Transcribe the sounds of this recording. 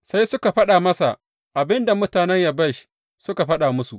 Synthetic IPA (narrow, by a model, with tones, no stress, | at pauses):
sa˦jsʊ˦ka˨ɸɐ˦ɗa˨mɐ˦sa̰˨ʔ | ʔa˨bɪ˦nda˨mʊ˦taː˨nɛ˦ɲja˨bɐ˦ʃ | sʊ˦ka˨ɸɐ˦ɗa˨mʊ˦su˨ʔ